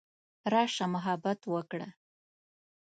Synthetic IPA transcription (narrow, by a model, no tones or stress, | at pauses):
ɾɑʂamʊɦabat̪wəkɽa̰